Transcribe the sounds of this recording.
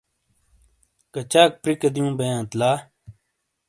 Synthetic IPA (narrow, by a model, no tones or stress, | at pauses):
kɐt͡ɕaːk̚pɾikɐd̪ijũːbɐjãːt̪laː